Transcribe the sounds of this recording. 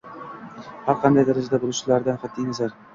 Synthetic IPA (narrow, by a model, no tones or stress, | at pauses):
haɾqʰɑnd̪ajd̪aɾɪd͡ʒd̪abolˠʊʃɪlaɾd̪anqɑt̪̚ʰːijmɪzlaɾ